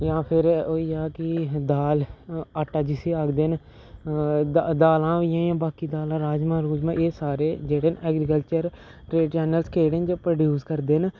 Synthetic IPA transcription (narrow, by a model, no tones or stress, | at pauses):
jãːpʰɪɾoːiːaːkɪd̪aːlaːʈːaːd͡ʒɪseːaːɡd̪eːn | d̪aːlãːʋɪjãːjãːbaːkiːd̪aːlãːɾaːd͡ʒmãːɾuːd͡ʒmãːʔeːsaːɾeːd͡ʒeːɽeːnɛːɡɾɪkəlt͡ʃəɾ | ɾeːʈt͡ʃɛːnəlskʰeːɽend͡ʒəpɾəɖjuːskəɾd̪eːn